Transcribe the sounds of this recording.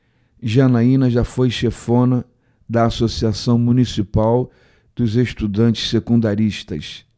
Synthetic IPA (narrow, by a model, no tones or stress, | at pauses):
ʒɐnaĩnɐʒafojʃefõnɐ | d̪ɐːsosiasɐ̃w̃munisipaw | d̪̥ʊzeʃt̪ud̪ɐ̃nt͡ʃɪ̥ssekũnd̪aɾiʃt̪ɐ̰s